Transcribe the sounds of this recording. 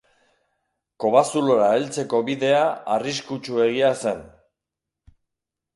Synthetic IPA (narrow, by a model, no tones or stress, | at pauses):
ko̞βasulo̞ɾaelt͡se̞ko̞βiðe̞aariskut͡ʃue̞ɣiase̞n